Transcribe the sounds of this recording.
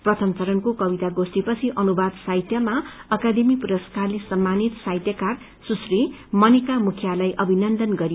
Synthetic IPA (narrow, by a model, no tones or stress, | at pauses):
prʌt̪ʰʌmt͡sʌɾʌnkokʌbit̪aɡost̪ipʌt͡sʰiʔʌnubad̪sajt̪jʌmaʌkad̪emipuɾʌskarlesʌmːanit̪sajt̪jʌkar | susrimʌnikamukʰjalajʔʌbʱinʌnd̪ʌnɡʌɾi